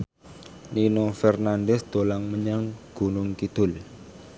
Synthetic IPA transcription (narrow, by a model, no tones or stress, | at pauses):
ninɔfɛrnanɖɛsd̪̥o̤laŋməɲaŋɡ̥ṳnʊŋkid̪̥ʊl